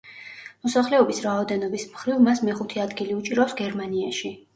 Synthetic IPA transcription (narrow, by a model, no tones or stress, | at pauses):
mɔsaχlɛɔbisɾaɔd̪ɛnɔbismχɾivmasmɛχut̪ʰiad̪ɡiliut͡ʃʼiɾapsɡɛɾmaniaʃi